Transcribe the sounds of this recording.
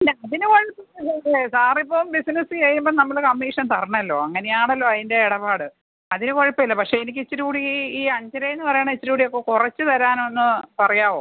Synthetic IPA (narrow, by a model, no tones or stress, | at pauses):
neɐðinɨkoɻipːɐɐsɐiesaːripːoːmbisinɐsɨt͡ɕeːjumboːnɐmːɐɭkɐmːiːʂɐnt̪ɐrɐɳɐɐlːo̞ːɐŋːɐnejaːɳɐlːo̞ːɐðinde̞eɽɐpaːɽɨ | ɐðinɨkoɻipːɐilːɐpɐkʂe̞enikʲːit͡ɕːiɾukuːɽiiːɐɲd͡ʑɐɾɐjenːɨpɐrɐjaːɳet͡ɕːɐtɾukuːɽijo̞kːekurɐt͡ɕːɨt̪ɐɾaːnonːɨpɐrɐjaːʋoː